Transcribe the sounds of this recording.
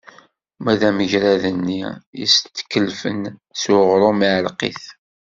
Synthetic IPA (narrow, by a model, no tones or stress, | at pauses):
mæðæməʝɾæðənːijḭst̪ːkːəlfənsʊʁɾomiʕəlqḭθ